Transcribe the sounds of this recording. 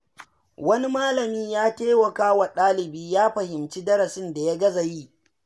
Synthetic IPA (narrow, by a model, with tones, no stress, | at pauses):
wɐ˦ni˦maː˦lɐ˨miː˦jaː˦teː˦wɐ˨kaː˦wɐ˨ɗaː˦lɪ˨biː˦jaː˦ɸɐ˨hɪ˨mt͡ʃi˦dɐ˦ɾɐ˨sɪ˦nda˨ja˦ɡɐ˦za˨jiː˦